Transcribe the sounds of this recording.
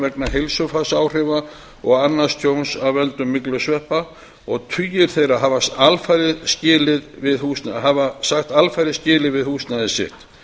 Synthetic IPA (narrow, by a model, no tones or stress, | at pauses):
vɛknaɦejlsʏfasaːwr̥ɪva | ɔɣanːast̪ʰjownsawvɛnt̪ʏmːɪklʏsvɛhpa | ɔɣt̪ʰyjːɪɾ̥θejɾaɦavasalfajɾɪðscɪːlɪðvɪðhuːsnaɦavasaxt̪alfajɾɪðscɪːlɪðvɪðhuːsnaðɪsɪ̰ht̪